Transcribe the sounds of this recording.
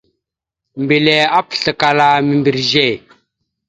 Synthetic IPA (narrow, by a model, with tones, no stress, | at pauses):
m˨bi˨lɛ˨a˦pɬə˨ka˨la˨mi˨mbi˨ɾʒɛ˦˨